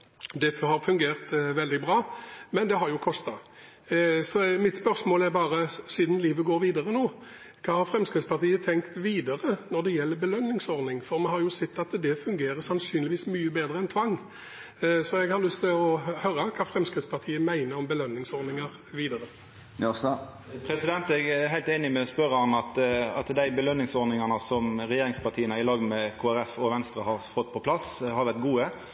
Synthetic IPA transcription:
d̪ɛhɑɾfʉŋɡeːʁt̪ʋɛld̪ɪbɾɑːmɛnd̪ɛɦɑɾjʊkʰɔst̪ɑ | sɔmɪt̪spœɾsmoːlæɾbɑːʁəsiːd̪n̩liːʋəɡoːɾʋiːd̪əɾənoː | kʰɑːhɑɾfɾɛmskɾɪd̪spɑʁt̪ʰiːət̪ʰɛŋkt̪ʋiːd̪əɾənɔɾd̪ɛjɛlːəɾbəlœnːɪŋsɔɾnɪŋfɔɾmɛnhɑɾjʊsɛt̪ːɑt̪d̪ɛfʉŋɡeːɾəsɑnsyːnlɪʋiːsmyːəbeːd̪ɾəɛnt̪ʰʋɑŋː | sɔɛɡhɑɾlʏst̪ʰɪlɔhœɾəkʰɑːfɾɛmskɾɪt̪spɑt̪ʰiːəmæɪnəɾɔmbəlœnːɪŋsɔɾnɪŋəɾ | ʋiːd̪əɾə | pʰɾɛsɪd̪ɛnt̪ɛɡæɦæɪlt̪eːnɪmɛɔspœɾːəhɑnɑt̪ɑ̰t̪d̪æɪbəlœnːɪŋsɔɾnɪŋɑnəsɔmɾɛjeːɾɪŋspɑt̪ʰiːənəɪlɑːɡmɛkʰoːæɾɛfɔʋɛnst̪ɾəhɑɾfɔt̪ːpʰɔpʰlɑshɑɾʋæʁt̪̚ɡuːə

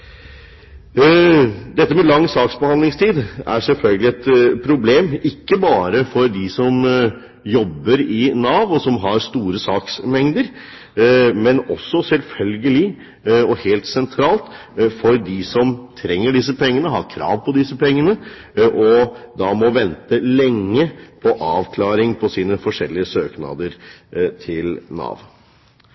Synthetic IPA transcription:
d̪ɛt̪ːəmɛlɑŋːsɑːksbəhɑnd̪lɪŋst̪ʰiːd̪æ̰ɾsɛlfœlɡəlɪɛt̪pʰɾʊbleːmɪkːəbɑːɾəfɔɾd̪ɪsɔm | jɔbːəɾɪnɑːʋɔsɔmɦɑɾst̪uːɾəsɑːksmɛŋd̪əɾ | mɛnɔ̰sːɔsɛlfœlɡəlɪ | ɔheːlt̪sɛnt̪ʰɾɑːlt̪ | fɔɾd̪ɪsɔmt̪ʰɾɛŋːəɖɪsəpʰɛŋːənəɦɑ̰ɾkʰɾɑ̰ːʋpʰɔd̪ɪsəpɛŋːənə | ʔɔd̪ɑmɔʋɛnt̪əlɛŋːəpʰɔʔɑːʋkʰlɑːɾɪŋpʰɔsiːnəfɔʂɛlːɪəsøːknɑ̰d̪əɾt̪ʰɪlnɑ̰ːʋ

